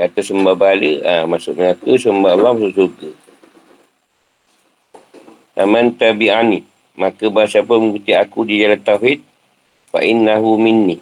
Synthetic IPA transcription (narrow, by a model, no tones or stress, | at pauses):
kat̪asəmbabaləamasʊʔməakəsəmbaʔlamasʊʔsurɡə | ʔamant̪abiʔani | makəbaasapəməŋɡut̪iakudid͡ʒalat̪ahit̪̚ | fa̰ʔinːaɦumɪnːi